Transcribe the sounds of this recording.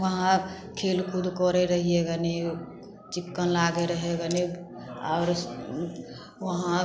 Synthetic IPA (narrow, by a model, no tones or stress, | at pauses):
ʋəɦã | kʰeːlkʰʊd̪kɔɾeɾəɦieɡane | t͡ʃɪkːənlaːɡeɾəɦeɡəne | ɔːɾ | ʋəɦã